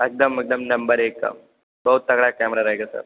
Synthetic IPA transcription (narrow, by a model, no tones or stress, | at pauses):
ek̚d̪əmek̚d̪əmnɐmbəɾekːa̰ | bəɦut̪ːəɡɽakæmɾaɾaɦjɡasə̰ɾ